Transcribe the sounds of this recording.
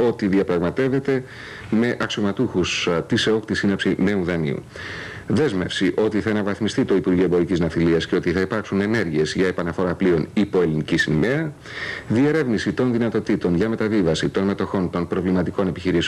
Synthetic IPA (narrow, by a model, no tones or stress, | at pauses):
o̞t̪iðiɐpɾɐɣmɐt̪e̞ve̞t̪e̞ | me̞ʔɐksio̞mɐt̪uxust̪iseo̞kt̪isinɐpsine̞uðɐnḭṵ | ðe̞zme̞fsiʔo̞t̪iθɐenɐvɐθmist̪it̪o̞ipuɾɣieboɾiciznɐθiliɐsce̞o̞t̪iθɐipɐɾksune̞ne̞ɾʝie̞zʝɐepɐnɐfo̞ɾɐplio̞nipo̞e̞linicisinmeɐ | ðie̞ɾe̞vnisit̪o̞nðinɐt̪o̞t̪it̪o̞nʝɐme̞t̪ɐvivɐsit̪o̞nme̞t̪o̞xo̞nt̪o̞npɾo̞vlimɐt̪iko̞ne̞piçiɾis